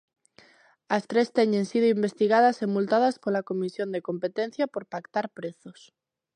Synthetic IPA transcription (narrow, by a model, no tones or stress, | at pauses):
ast̪ɾest̪eɲẽnsið̞oimbe̞st̪iɣ̞aðasemult̪aðaspolakomisjond̪ekompet̪enθjapo̞ɾpakt̪aɾpɾeθos